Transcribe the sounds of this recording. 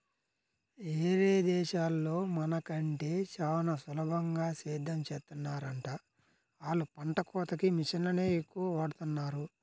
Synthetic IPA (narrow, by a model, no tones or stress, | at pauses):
eːɾeːd̪ɛːʃaːlːo̞ːmɐnɐkɐɳʈe̞ːt͡ʃaːwnɐsulɐbɐŋɡaːsiːd̪ʱːɐmt͡ʃeːt̪ːunːaːɾɐɳʈaː | aːlupɐɳʈɐkɔːt̪ɐkimiʃɐnlɐne̞ːekːuʋɐʋaːɽut̪unːaːɾu